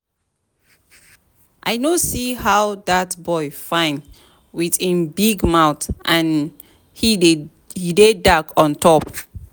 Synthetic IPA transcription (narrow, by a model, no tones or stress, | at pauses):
ʔaɪnosihaʊðatbɔɪfãɪ̃nd | wiðĩnbiɡmaʊtʔãn | hi | hidedakʰɔ̃ntʰɔp